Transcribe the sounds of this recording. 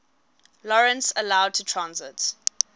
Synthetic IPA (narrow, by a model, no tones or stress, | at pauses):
lɔɹə̃nsəlaʊd̚tʰutʰɹãnzɪt